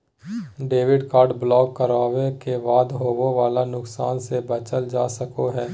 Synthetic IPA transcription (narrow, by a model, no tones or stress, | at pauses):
ɖeːʋɪɖkaːɾɖblɔːkːəɾaːʋekebaːd̪ɦoːwoʋaːlanʊksaːnsebɐt͡ʃəld͡ʒaːsəkoɦɛː